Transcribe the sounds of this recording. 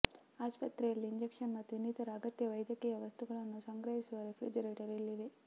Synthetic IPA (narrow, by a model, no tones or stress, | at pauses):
aːspɐt̪ɾɐjɐlːiiɲd͡ʒekʂɐnmɐt̪ːjunit̪ɐɾaːɡɐt̪jɐʋɐjd̪jɐkiːjɐʋɐst̪uɡɐɭɐnːusɐŋɡɾɐɦisuʋɐɾefɾḭd͡ʒɐɾeːʈɐɾilːid̪e